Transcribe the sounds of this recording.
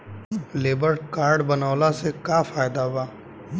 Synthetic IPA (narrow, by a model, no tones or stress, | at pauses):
leːbəɾɖkaːɾɖbɐnaːlasekafaːjd̪abaː